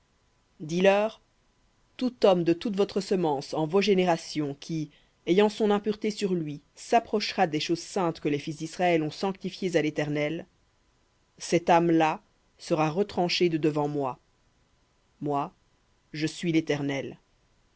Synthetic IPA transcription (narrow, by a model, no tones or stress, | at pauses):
d̪ilœːʁ | t̪ut̪ɔmd̪ət̪ut̪vɔt̪χəsəmɑ̃sɑ̃voʒeneʁasjɔ̃kʲʰi | ejɑ̃sɔ̃nɛ̃pyʁt̪esyʁlɥi | sapχɔʃʁad̪ɛʃozsɛ̃t̪kəlɛfis̬d̪isʁaɛlɔ̃sɑ̃k̚t̪ifjezalet̪ɛʁnɛl | sɛt̪amla | səʁaʁət̪χɑ̃ʃed̪əd̪əvɑ̃mwa | mwa | ʒəsɥilet̪ɛʁnɛl